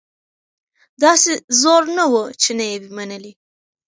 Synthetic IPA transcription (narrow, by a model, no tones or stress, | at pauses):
d̪ɑsezoɾnawət͡ʃenajewimanəli